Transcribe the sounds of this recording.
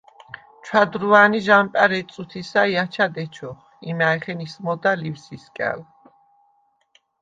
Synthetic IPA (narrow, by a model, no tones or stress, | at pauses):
t͡ʃʰwad̪ɾuaniʒampʼaɾɛt̪sʼut̪ʰisaiat͡ʃʰad̪ɛt͡ʃʰɔχ | imaɛχɛnismɔd̪alifsiskʼɛ̰l